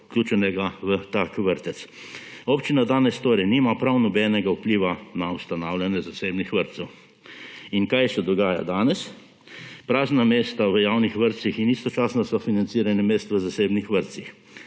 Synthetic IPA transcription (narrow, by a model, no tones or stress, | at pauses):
klʲjuːt͡ʃɛnɛɡaʋət̪aːkʋəɾt̪ɛt̪s | oːpt͡ʃinad̪aːnɛst̪oːɾɛniːmapɾawnɔbɛːnɛɡawpliːʋanaust̪anaːwlʲjanjɛzaseːbnixʋəɾt̪sɛw | inkajsɛd̪ɔɡaːja̰d̪aːnɛs | pɾaːznameːst̪aʋəjaːwnixʋəɾt̪sixinist̪ɔt͡ʃaːsnɔsɔfinant̪siɾanɛmeːst̪ʋəzaseːbnixʋəɾt̪six